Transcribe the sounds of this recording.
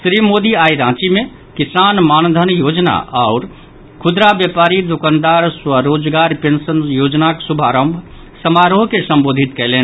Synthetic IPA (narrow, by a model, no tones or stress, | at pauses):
sɾimoːd̪iaːiɾãːt͡ʃimẽ | kisaːnmaːnd̪ʱənjoːd͡ʒna̰ʔaʊɾ | kʰʊd̪ɾabjepaːɾid̪ukaːnd̪aːɾswəɾoːd͡ʒɡaːɾpẽnsənjoːd͡ʒnaksubʱaːɾəmbʱ | səmaːɾoɦkesə̃mboːd̪ʱit̪kɛɦleːn